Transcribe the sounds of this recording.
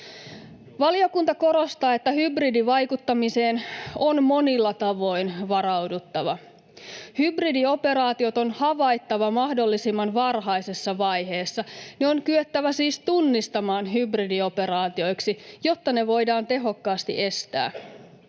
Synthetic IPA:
ʋɑlio̞kunt̪ɑko̞ɾo̞st̪ɑːe̞t̪ːæhybridiʋɑjkut̪ːɑmise̞ːnonmo̞nilːɑt̪ɑʋo̞jnʋɑɾɑwdut̪ːɑʋɑ | hybridio̞pe̞ɾɑːt̪io̞t̪o̞nhɑʋɑjt̪ːɑʋɑmɑhdo̞lːisimːɑnʋɑrɦɑjse̞sːɑʋɑjɦe̞ːsːɑneoŋkyøt̪ːæʋæsiːst̪unːist̪ɑmɑːnɦybridio̞pe̞ɾɑːt̪io̞jksijo̞t̪ːɑne̞ʋo̞jdɑːnt̪e̞ɦo̞kːɑːst̪ḭʔe̞st̪æ̰ː

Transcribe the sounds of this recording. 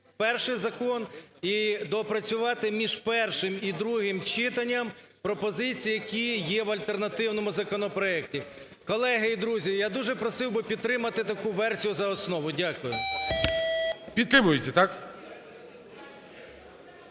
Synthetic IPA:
pɛrʃɪjzɐkɔnid̪ɔpɾɐt͡sʲʊʋɑt̪ɪmʲiʒpɛrʃɪmid̪ɾuɦɪmt͡ʃɪt̪ɐnʲːɐm | pɾɔpɔzɪt͡sʲijjɐkʲijɛʋɐlʲt̪ernɐt̪ɪwnɔmʊzɐkɔnɔpɾɔɛk̚tʲi | kɔlˠɛɦɪid̪ɾuzʲijad̪uʒɛpɾɔsɪwbɪpʲid̪̚t̪ɾɪmɐt̪ɪt̪ɐkuʋɛrsʲijʊzɐɔsnɔʋʊdʲakʊjʊ | pʲid̪t̪ɾɪmʊjetʲɛt̪ak

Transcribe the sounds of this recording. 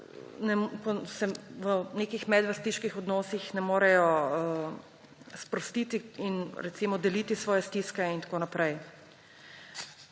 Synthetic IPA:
nɛmkɔsɛʋəneːkixmɛd̪ʋəst̪iʃkixɔd̪nɔːsixnɛmoːɾɛjɔə | spɾɔst̪iːt̪iinɾɛt̪simɔd̪ɛlit̪isʋɔːjɛst̪iskɛint̪ḁkoːnapɾɛj

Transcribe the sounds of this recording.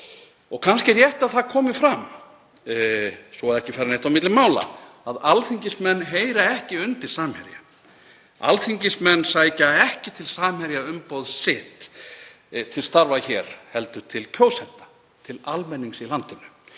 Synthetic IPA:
ɔɣkʰanscɪɾjɛht̪aðθaðkʰɔːmɪfɾam | sɔaðɛhcɪfɛɾanejht̪awmɪt̪lɪmaːwla̰ | aðalθiɲcɪsmɛnːɦeːjɾaɛhcɪʏnt̪ɪ̥saːmhɛɾja | a̰lθiɲcɪsmɛnːsajcaɛhcɪt̪ʰɪlsaːmhɛɾjaʏmpowðsɪt̪ | t̪ʰɪlst̪aɾvaçɛːɾ̥hɛlt̪ʏt̪ʰɪlcʰoːwsɛnt̪ḁ | t̪ʰɪlalmɛnːiŋsilant̪ɪnːʏ

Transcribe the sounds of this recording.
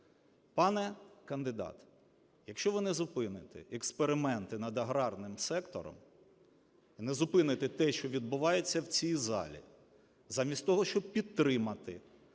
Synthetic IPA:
pɑnɛkɐnd̪ɪd̪ɑ̰t̪ | jɐkʃt͡ʃɔʋɪnɛzʊpɪnɪt̪ɪ̰ɛkspeɾɪmɛnt̪ɪnɐd̪ɐɦɾɑrnɪmsɛkt̪ɔ̰ɾɔ̰m | inɛzʊpɪnɪt̪ɪt̪ɛʃt͡ʃɔʋʲid̪̚bʊʋɑjet͡sʲːɐwt͡sʲijzɑ̰lʲḭ | zɑmʲisʲtʲt̪ɔɦɔʃt͡ʃɔb̚pʲidt̪ːɾɪmɐt̪ɪ̰

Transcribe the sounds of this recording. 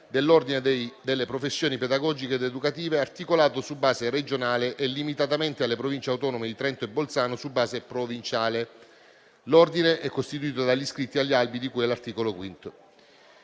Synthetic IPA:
d̪elːord̪ined̪elːepɾofesːjoːniped̪aɡɔd͡ʒikeːd̪ed̪ukat̪iːveart̪ikolaːt̪osubːaːzeɾed͡ʒonaːleʔelːimit̪at̪ament̪ealːepɾovint͡ʃeawt̪ɔnomed̪it̪ɾɛnt̪oebːolt̪saːnosubːaːzepɾovint͡ʃaːle | lord̪ineʔɛkːost̪it̪uiːt̪od̪aʎːiskɾit̪ːiaʎːialbid̪ikuːjɛlːart̪iːkolokwint̪o

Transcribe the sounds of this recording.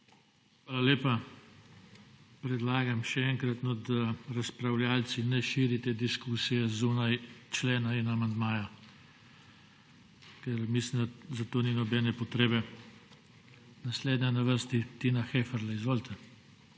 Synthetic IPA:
xʋʋaːlalʲeːpa | pɾɛd̪laːɡamʃɛɛŋkɾat̪nɔd̪aɾaspɾawljaːlsinɛʃiːɾit̪ɛd̪iskuːsijɛzunajt͡ʃleːnainamand̪maːja | kɛɾmislimd̪azat̪oːninɔbɛːnɛpɔt̪ɾeːbɛ | nasleːd̪ɲanaʋəɾst̪it̪inaxeːfɛɾlaizʋoːlt̪ʰɛ

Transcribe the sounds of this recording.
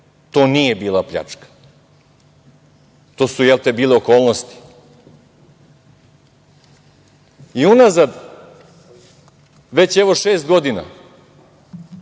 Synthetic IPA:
t̪o̞ːnije̞biːlˠapʎa̰t͡ʂkḁ | t̪o̞ːsujɛlˠt̪ebiːleokoːlˠnost̪i̥ | iunazad̪ | ʋe̞t͡ɕɛʋo̞ʃeːst̪̚ɡo̞d̪ina̰

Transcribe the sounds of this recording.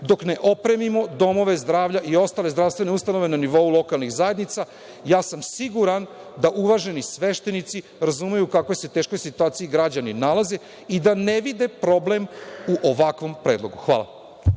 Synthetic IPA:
d̪o̞kne̞ʔo̞pɾe̞mimo̞d̪o̞mo̞ʋe̞zd̪ɾaːʋʎaʔio̞st̪aːle̞zd̪ɾaʋst̪ʋe̞neust̪ano̞ʋe̞naniʋo̞ulo̞kalˠniɣzaje̞d̪nit̪sa | jaːsamsiɡuɾan | d̪aʔuʋaʒe̞nisʋe̞ʃt̪e̞nit̪si | ɾazuːmejukako̞jse̞t̪eːʃko̞jsit̪uaːt̪sijiɡɾad͡ʑaninalˠaze̞ | id̪ane̞ʋid̪e̞pɾo̞ble̞muʔo̞ʋakʋo̞mpɾe̞ːd̪lˠo̞ɡuxʋa̰ːlˠa̰

